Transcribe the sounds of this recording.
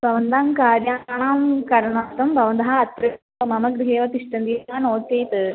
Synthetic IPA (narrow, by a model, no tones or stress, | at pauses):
pɐʋɐnd̪aːmkaːɾjaːɳaːmkɐɾɐnaːt̪ɐmpɐʋɐnd̪ɐɦaɐt̪ɾɐ | mɐmɐɡɾɪɦeːʋɐt̪ɪʂʈɐnd̪ijaːnoːt͡ʃeːt̪ɨ